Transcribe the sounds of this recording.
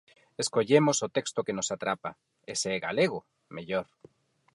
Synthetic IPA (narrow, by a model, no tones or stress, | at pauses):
eskoʎemosot̪ekst̪okenosat̪ɾapa̰ | eseɛɣa̰leɣ̞o | meʎoɾ